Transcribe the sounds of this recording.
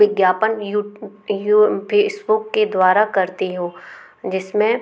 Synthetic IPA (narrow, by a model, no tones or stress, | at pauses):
ɪɡjaːpənjujpʰeːsbʊkːed̪waːɾakɐɾt̪eɦũː | d͡ʒɪsmẽ